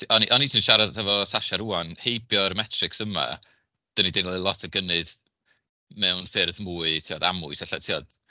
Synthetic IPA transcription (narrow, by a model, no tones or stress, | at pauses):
ʔɔniʔɔnitʰinʃaɾaɛvɔsaʃaɾuːanhejbjɔrmɛtʰrɪksəma̰ | d̥ənidɪnlˠɪlˠɔtʰəɡənɨð̥ | mɛwnfɪrðmuːɨtʰiːɔðamʊɨsaɬatʰiːɔd̥